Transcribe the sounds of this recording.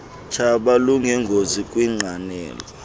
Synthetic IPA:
t͡ʃʰaɓaluŋɛŋɡʱozikʼwiŋ͡ǃanɛ̰ːlɔ

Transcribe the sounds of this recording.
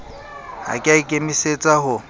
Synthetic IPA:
ha̰kʼɪaɪkʼemiset͡sʼahʊ

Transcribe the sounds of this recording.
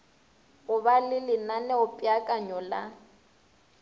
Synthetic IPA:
ɣʊβalɪlɪnanɛʊpʼiakʼaɲɔla

